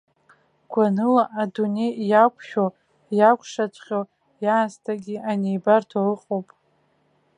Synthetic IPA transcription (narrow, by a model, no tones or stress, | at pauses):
ɡ̥ʷanɨlaʔadune̞jjakʷʰʃᶣow | jakʷʰʂat͡ʃʷʼχʲo | jaːstʰaɡʲianejbartʰolɨqʼowpʼ